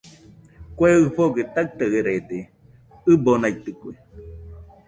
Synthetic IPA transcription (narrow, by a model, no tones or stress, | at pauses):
kweɨɸoɡet̪at̪aeɾet̪e | ɨbonait̪ɨkʷe